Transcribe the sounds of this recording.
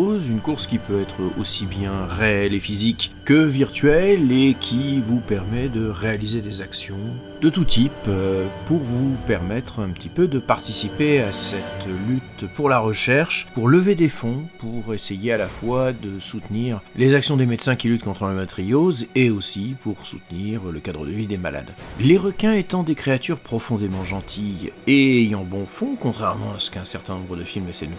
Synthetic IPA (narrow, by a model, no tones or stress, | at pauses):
zynkuʁskʲipøɛt̪χo̰sibjɛ̃ʁeɛlefizikːəviʁt̪ɥɛlekʲʰivupɛʁmɛd̪əʁealized̪ezaksjɔ̃ | d̪̥ət̪ut̪ʰippuʁvupɛʁmɛt̪χɛ̃pət̪ipød̪əpaʁt̪isipeasɛt̪lyt̪puʁlaʁəʃɛʁʃpuʁləved̪efɔ̃puʁesejealafwad̪əsut̪niʁlezaksjɔ̃d̪emed̪sɛ̃kʲilyt̪̚kɔ̃t̪χələmɛt̪ʁijozeosipuʁsṵt̪niʁləkad̪ʁəd̪əvid̪ema̰la̰d̪leʁəkʲɛ̃et̪ɑ̃d̪ekχeat̪yʁpχɔfɔ̃d̪emɑ̃ʒɑ̃t̪ʰijeejɑ̃bɔ̃fɔ̃kɔ̃t̪χɛʁmɑ̰̃asə̥kɛ̃sɛʁt̪ɛ̃nɔ̃bʁəd̪əfilmesɛyn